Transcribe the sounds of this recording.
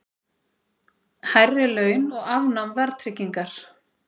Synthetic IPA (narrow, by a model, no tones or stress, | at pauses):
hajrːɪlœːɥnɔɣavnamvɛɾt̪ʰɾɪcːiŋkaɾ̥